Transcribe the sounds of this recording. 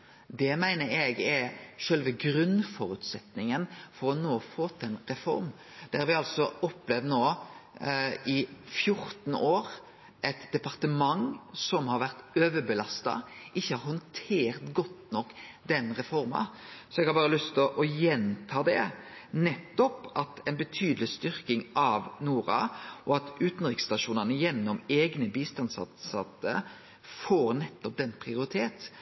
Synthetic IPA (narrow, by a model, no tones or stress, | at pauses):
d̪ɛmæɪnəɾɛɡɛʃœlʋəɡɾʉnfɔɾʉːt̪sɛt̪nɪŋənfɔɾɔnoːfoːt̪ʰɛnɾɛfɔ̰ɾm | d̪̥ɛhɑɾʋɪɑlsɔɔpːlɛʋd̪noː | ɪfjʊɾt̪noːɾ | ʔɛt̪d̪ɛpɑʁt̪əmɑŋsɔmhɑɾʋæɾt̪øːʋəbəlɑst̪ɑ̰ʔɪçːəhɑɾhɔnt̪ʰeːɾt̪ɡɔt̪nɔkːd̪ɛnʁɛfɔɾmɑ̰ | sɔɛɡhɑɾbɑːɾəlʏst̪ʰɔʔɔjɛnt̪ʰɑːd̪ɛ̰nɛt̪ːɔpɑt̪ʰɛɪnbət̪ʰyːd̪əlɪst̪ʏɾkɪŋʔɑʋnuːɾɑ̰ʔɔɑt̪ʉːt̪n̩ʁɪkst̪ɑʃuːnɑnəjɛnːɔmeːɡnəbiːst̪ɑnsɑ̰sɑt̪ːə̰ | foːɾnɛt̪ːɔp̚d̪ɛnːpʰʁɪʊɾɪt̪ʰeːt̪